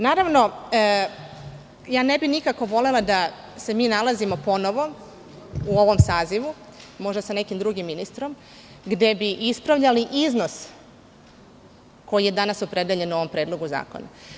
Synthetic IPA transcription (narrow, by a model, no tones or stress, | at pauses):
naːɾaʋno̞ | jaːne̞binikako̞ʋo̞le̞lˠad̪a | se̞miːnalˠazimo̞po̞no̞ʋo̞ | uo̞ʋo̞msaːziʋumo̞ʒd̪asane̞kimd̪ɾuɡimːinist̪ɾo̞m | ɡd̪e̞biʔispɾaʋʎaliʔizno̞s | ko̞jije̞d̪anasopɾe̞d̪eʎe̞no̞ʋo̞mpɾeːd̪lˠo̞ɡuza̰ːko̞̰na̰